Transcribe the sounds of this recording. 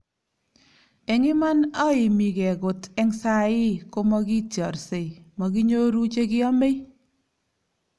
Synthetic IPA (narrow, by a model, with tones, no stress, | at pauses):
ɛ˨ŋɪ˦ma˦na˦ɪ˨mi˨kɛ˨ko˨tɛ˦ŋsa˦˨ɪ˦ko˦mɔ˦ki˦tjɔ˨ɾse˨mɔ˨ki˦ɲo˦ɾu˦t͡ʃe˦kɪ˦ɔ˦me˦j